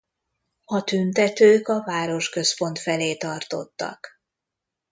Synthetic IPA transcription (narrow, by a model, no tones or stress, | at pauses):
ɒt̪ynt̪ɛt̪øːkɒvaːɾo̞ʃkø̞spo̞n̪t̪fɛleːt̪ɒrt̪o̞̰t̪ːɒ̰k